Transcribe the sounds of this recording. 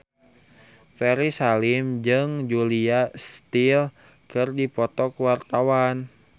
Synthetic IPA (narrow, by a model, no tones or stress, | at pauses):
fɛɾisalimd͡ʒɨŋd͡ʒuliast̪il | kɨrdipɔt̪ɔkwart̪awan